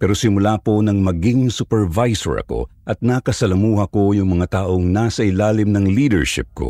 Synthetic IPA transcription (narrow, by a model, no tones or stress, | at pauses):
pɛːɾosɪmʊlaːpo̞nɐŋmɐɡɪŋsupɛɹvajso̰ɹɐ̰ko̞̰ʔɐt̪̚naːkɐsɐlɐmuːhɐko̞jʊŋmɐŋat̪aːʔo̞ŋnaːsɐʔɪlaːlɪmnɐŋliːd̪ɛɹʃɪ̰p̚ko̰